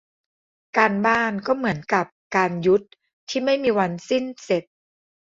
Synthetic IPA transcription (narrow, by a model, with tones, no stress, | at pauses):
kaː˧nbaː˥˩nkɔː˥˩mɯ˩˦ənka˨˩p̚kaː˧nju˦˥t̪̚ʰː | iː˥˩ma˥˩jmiː˧wa˧nsi˥˩nse˨˩t̪̚